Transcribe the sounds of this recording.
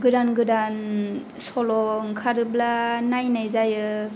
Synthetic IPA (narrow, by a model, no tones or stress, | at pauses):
ɡɯɾanɡɯɾan | sɔlɔŋkʰaɾɯblanajnajzajɯ